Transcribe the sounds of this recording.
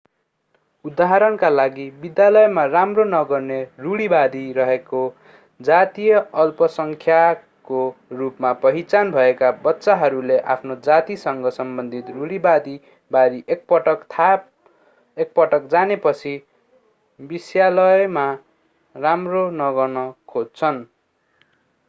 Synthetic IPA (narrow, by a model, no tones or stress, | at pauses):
ud̪aɦaɾʌnkalaɡibid̪jalʌjmaramronʌɡʌrneruɽibad̪iɾʌɦeko | d͡zat̪ijʌʌlpʌsʌŋkʰja | korupmapʌɦit͡sanbʱʌekabʌtːsaɦʌɾuleʔapʰnod͡zat̪isʌŋɡʌsʌmbʌnd̪ʱit̪ruɽibad̪i | baɾiʔek̚pʌʈʌt̪ʰap | ek̚pʌʈʌkd͡zanepʌt͡sʰi | bisjalʌjma | ramronʌɡʌrnʌkʰod͡zt͡sʰʌn